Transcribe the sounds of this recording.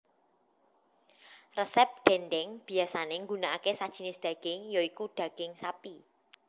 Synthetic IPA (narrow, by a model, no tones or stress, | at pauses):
rəsɛp̚ɖ̪̥ɛnɖɛŋb̥i̤asaneŋɡunaakesad̥ʒ̥i̤nɪsd̪̥a̤ɡ̥ɪŋjoikuɖ̪̥ä̤ɡ̥ɪŋsapi